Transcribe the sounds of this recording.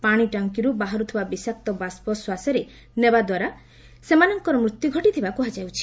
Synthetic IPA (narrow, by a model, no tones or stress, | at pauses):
paɽ̃iʈɔŋkiɾubaɦaɾut̪ʰibabisak̚t̪ɔbaspɔswasɔɾe | nebad̪waɾa | semanɔŋkɔɾɔmɾut̪juɡʱɔʈit̪ʰibakuɦad͡ʒawt͡ʃʰi̥